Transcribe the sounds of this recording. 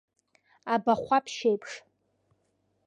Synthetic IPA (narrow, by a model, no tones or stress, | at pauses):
abaχʷapʰʃejpʰʂ